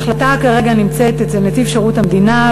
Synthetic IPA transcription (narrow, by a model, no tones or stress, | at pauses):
χlatakaʁe̞ɡanimt͡se̞t̪etzemetifʃeʁutamd̪ina